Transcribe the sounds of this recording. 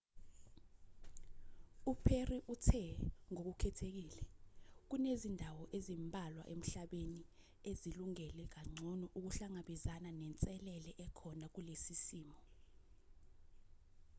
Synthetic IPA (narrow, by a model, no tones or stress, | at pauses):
upʰeriʔutʰɛŋok̬ukʰɛtʰek̬iːlɛk̬unezindʱawɔʔezimbʱalwa̰ʔem̩ɬaɓeni | eziluŋɛlɛk̬aŋ͡ǀʱɔnɔʔuk̬uɬaŋaɓizananɛnt͡sʼɛlɛlɛʔɛkʰɔnak̬ulesisiːmɔ